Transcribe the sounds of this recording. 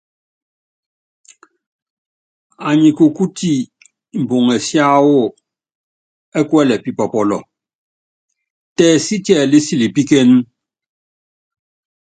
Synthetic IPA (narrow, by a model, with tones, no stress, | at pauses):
a˨ɲi˨ko˨ku˦ti˦ | m̩˨bo˨ŋɛ˨sja˦wo˦˨ | ɛ˦kwɛ˦lɛ˨pi˨pɔ˨pɔ˨lɔ˨ | tɛː˨si˦tjɛ˨li˦si˦li˨pi˦ke˦n˦